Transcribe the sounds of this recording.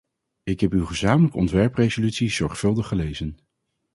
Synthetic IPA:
ɪkɦɛpywχəzaːmələkəɔntʋɛɹprejzolytsiz̥ɔɹχfɵlˠdəχəlejzən

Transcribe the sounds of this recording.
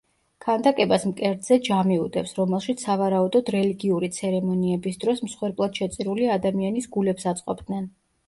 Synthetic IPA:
kʰand̪akʼɛbasmkʼɛɾd̪zɛd͡ʒamiud̪ɛpsɾɔmɛlˠʃit̪ssavaɾaud̪ɔd̪ɾɛliɡiuɾit̪sʰɛɾɛmɔniɛbisd̪ɾɔsmsχwɛɾpʼlˠad̪̥ʃɛt̪sʼiɾuliad̪amianisɡulɛpsat̪sʼqʼɔbd̪nɛn

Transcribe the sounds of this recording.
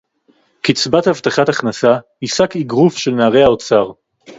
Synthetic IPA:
kit͡sbathavtaχataχnasa | isakiɡʁufʃe̞lnaːʁeaot͡saʁ

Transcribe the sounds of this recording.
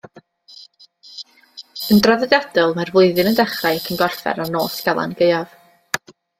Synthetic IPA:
əndraðɛðjad̥ɔlˠmarvʊɨðɨnəndɛχrakʰənɡɔrfɛ̰ɾarnoːsɡ̥ɛlˠa̰nɡejɔv

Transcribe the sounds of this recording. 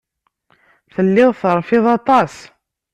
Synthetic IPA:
θəlːɪðθəɾˤfɪðˤɑt̪ˤɑs

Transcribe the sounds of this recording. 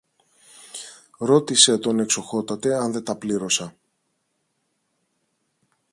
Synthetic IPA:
ɾo̞t̪ise̞t̪o̞ne̞kso̞xo̞t̪ɐt̪e̞ɐnðe̞t̪ɐpliɾo̞sɐ

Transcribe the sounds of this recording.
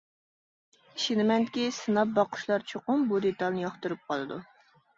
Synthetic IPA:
iʃinɪmɛnkʲisɨnɑp̚bɑqʊ̥ʃlˠɑɾt͡ʃʰoqʊmbud̪et̪ɑlˠnɨjɑχt̪ɨɾup̚qʰɑlˠɨd̪u

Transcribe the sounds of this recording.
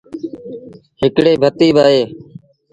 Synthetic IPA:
hɪkɽeːbʱət̪iːɓaːɦeː

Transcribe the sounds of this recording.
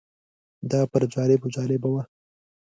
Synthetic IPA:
d̪ɑpəɾd͡ʒɑlɪbod͡ʒɑlɪbawa

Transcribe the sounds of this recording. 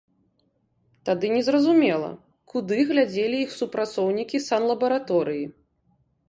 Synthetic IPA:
t̪ad̪ɨnʲɛzɾɐzumʲɛlˠɐ̰ | kud̪ɨɣlʲad͡zʲelʲiixsupɾat̪sɔwnʲikʲisanlˠɐbɐɾat̪ɔɾɨji

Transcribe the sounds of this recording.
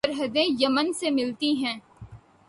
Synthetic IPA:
əɾɦəd̪ẽjɐmənsemɪlt̪iɦɛ̃ː

